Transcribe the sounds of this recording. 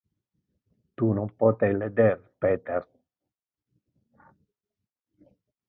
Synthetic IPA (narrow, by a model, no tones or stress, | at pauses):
t̪unompɔt̪ejled̪erpeːt̪er